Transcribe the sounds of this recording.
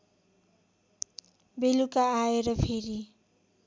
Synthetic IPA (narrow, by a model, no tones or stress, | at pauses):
belukaːeɾʌpʰeɾi